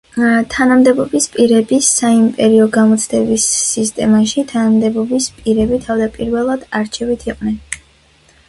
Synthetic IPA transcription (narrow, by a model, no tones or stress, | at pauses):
t̪ʰanamd̪ɛbɔbispʼiɾɛbisːaimpʼɛɾiɔɡamɔt̪sʰd̪ɛbisːist̪ʼɛmaʃit̪ʰanamd̪ɛbɔbispʼiɾɛbit̪ʰavd̪apʼiɾvɛlˠad̪̥aɾt͡ʃʰɛvit̪ʰiqʼnɛn